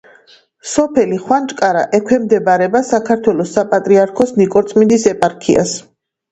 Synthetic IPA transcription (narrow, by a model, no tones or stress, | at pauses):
sɔpʰɛliχwant͡ʃʼkʼaɾaʔɛkʰwɛmd̪ɛbaɾɛbasakʰaɾt̪ʰwɛlɔsːapʼat̪ʼɾiaɾkʰɔsnikʼɔɾt̪sʰʼmind̪isɛpʼaɾkʰḭa̰s